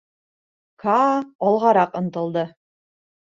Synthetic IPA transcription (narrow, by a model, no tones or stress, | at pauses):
kɑɒlˠʁɑɾɑqɤ̆nt̪ɤ̆lˠd̪ɤ